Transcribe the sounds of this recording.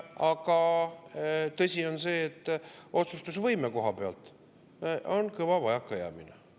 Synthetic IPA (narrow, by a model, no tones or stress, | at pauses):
ɑkɑ | t̪ɤsʲio̞nse̞ːt̪ːˑo̞t̪sust̪usvɤjmeko̞ɦɑpe̞ɑ̰lt̪ˑ | o̞nkɤvɑvɑjɑkːɑjæ̰ːminḛ